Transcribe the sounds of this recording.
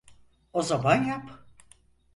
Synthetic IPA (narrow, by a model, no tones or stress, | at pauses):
ozamanjap